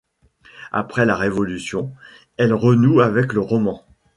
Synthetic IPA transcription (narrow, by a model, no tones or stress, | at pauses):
a̰pχɛlaʁevɔlysjɔ̃ | ɛlʁənuavɛkləʁɔmɑ̃